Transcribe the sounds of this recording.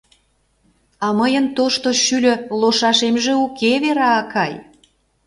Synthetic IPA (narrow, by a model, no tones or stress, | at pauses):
ɑməjənt̪oʃt̪oʃylʲø̆loʃɑʃemʒĕukʰeβeɾɑːkɑj